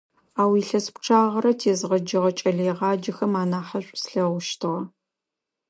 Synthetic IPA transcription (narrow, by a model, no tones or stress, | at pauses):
aːwiːɬɐspʈ͡ʂʰaːʁɐɾɐtʰeːzʁɐd͡ʒɐʁɐt͡ʃʼɐɮɐjʁɑːd͡ʒɐxɐmaːnaːħɐɕʷʼsɬɐʁʷʊʃtʰɨʁɐ